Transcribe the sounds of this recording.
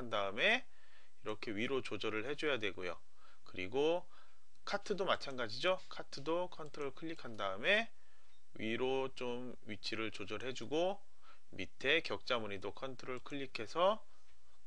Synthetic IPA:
andaɯme̞ | iɾʌkʰe̞ɥiɾot͡ɕod͡ʑʌɾɯɭhe̞d͡ʑojadwe̞ɡojo̰ | kɯɾiɡo | kʰatʰɯdomat͡ɕʰanɡad͡ʑid͡ʑokʰatʰɯdokʰʌntʰɯɾoɭkʰɯʎːikʰandaɯme̞ | ɥiɾot͡ɕom | ɥit͡ɕʰiɾɯɭt͡ɕod͡ʑʌɾɦe̞d͡ʑuɡo | mitʰe̞kjʌk̚t͡ɕ͈amuɲidokʰʌntʰɯɾoɭkʰɯʎːikʰe̞sʰʌ

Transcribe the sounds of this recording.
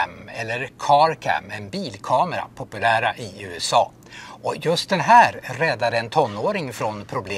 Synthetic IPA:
mɛlːəɾkʰɑɾkʰæ̰mɛnbiːlkʰɑːmɛɾa̰pʰʊpɵlæːɾaʔɪʉ̟ːɛsɑː | ʔɔjɵst̪̚d̪ɛnɦæːɾɾɛd̪ːad̪əɛnt̪ʰɔnːoːɾɪŋfɾɔnpʰɾʊbleː

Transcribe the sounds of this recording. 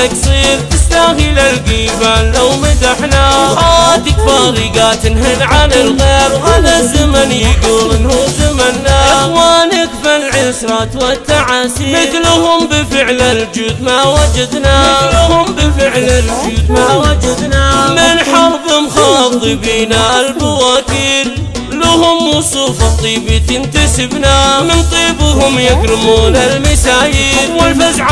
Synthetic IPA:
aksˤiːɾt̪ɪst̪aɣilalɡiːbanlawmɪt̪aħnahaːd̪ɪkfaːɾiɡaːt̪nɦɪnʕanɪlɣeːbhaðazamanjɪɡʊɪnhʊzamanːaʔaxwaːnɪɡbalʕɪsɾat̪wat̪ːaʕasmɪθlʊhʊmbɪfɪʕlald͡ʒuːd̪mawad͡ʒad̪nalʊhʊmbɪfɪʕlald͡ʒuːd̪maːwad͡ʒad̪namɪnħɑɾˤbɪmxɑːt̪ˤɨbiːnaʔalbawaːkiːl | lʊhʊmːusˤuːfɑt̪ˤːiːbit̪ɪnt̪asɪbnamɪnt̪ˤiːbɦʊmjakɾɪmuːnalmɪsaːjiːwɪlfazʕ

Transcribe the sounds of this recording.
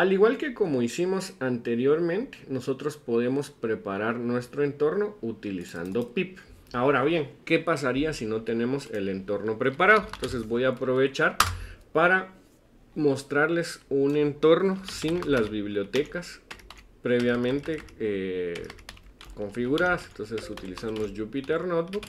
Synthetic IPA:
aliɣwalke̞ko̞mo̞isimo̞sant̪e̞ɾjo̞ɾmẽ̞nt̪e̥no̞so̞t̪ɾo̞spo̞ðe̞mo̞spɾe̞paɾaɾnwe̞st̪ɾo̞e̞nt̪o̞ɾno̞ut̪ilisa̰nd̪o̞pip | ao̞ɾaβje̞ŋke̞pas̬aɾiasino̞t̪e̞nẽ̞mo̞se̞le̞nt̪o̞ɾno̞pɾe̞paɾaðoent̪o̞ns̬e̞zβo̞jaːpɾo̞βe̞t͡ʃaɾpaɾa | mo̞st̪ɾaɾle̞sune̞nt̪o̞ɾno̞sinlazβiβ̞ljo̞t̪e̞kas | pɾe̞β̞jamẽnt̪e̞e | ko̞ɱfiɣuɾaðasent̪o̞nse̞sut̪ilisanosʝupit̪eɾnot̪̚buk

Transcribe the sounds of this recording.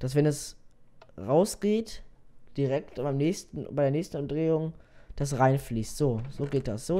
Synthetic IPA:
d̥as̬v̥ɛnɛs | ʁaʊsɡ̥eːtd̥iʁɛk̚tb̥aɪmnɛːçstn̩baɪdeːɐnɛːçstn̩ʊmdʁeːʊŋd̥as̬ʁaɪnfliːstz̥oːz̥oːɡeːt̚d̥asz̥oː

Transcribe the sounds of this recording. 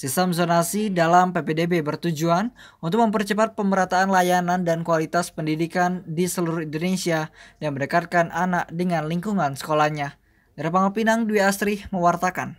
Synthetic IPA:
sist̪əmsonasidalampepedebebərt̪ud͡ʒuanunt̪ʊk̚məmpərt͡ʃəpat̪̚pəmbəɾat̪aːnlajanandankualit̪aspəndidikandisəluɾuhindonesiadaŋməndəkat̪̚kananak̚dəŋanliŋkuŋansə̥kolahɲa | daɾapaŋopinaŋduiast̪ɾɪhməwart̪akan

